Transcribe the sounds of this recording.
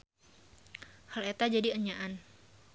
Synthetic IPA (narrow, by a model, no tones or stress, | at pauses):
halet̪ad͡ʒadiəɲaʔan